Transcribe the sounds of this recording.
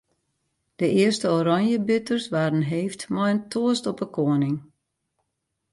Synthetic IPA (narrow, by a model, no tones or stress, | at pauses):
d̥əʔɪərstəoɾɔnjəbʏtərsʋaːɾənɦeːftmɔjəntʰoəstɔpəkʰoənɪŋ